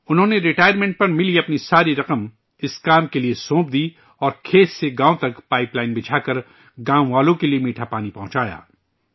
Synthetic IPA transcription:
ʊnɦõːneɾɪʈaːjəɾmẽːɳʈ̚pɐɾmɪliɐpnisaːɾiɾɐqəm | ɪskaːmkeliesõːp̚d̪iː | ɔːɾkʰeːtseɡãːõt̪ɐkpaːɪplaːɪnbɪt͡ʃʰaːkɐɾ | ɡãːw̃ʋaːlõkeliemiːʈʰapaːnipɐɦʊ̃t͡ʃaːja̰ː

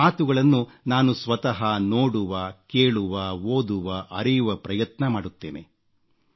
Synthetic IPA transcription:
aːt̪uɡɐɭɐnːunaːnusʋɐt̪ɐɦɐnoːɽuʋɐke̞ːɭuʋɐoːd̪uʋɐʔɐɾijuʋɐpɾɐjɐt̪nɐmaːɽut̪ːe̞ːne̞̰

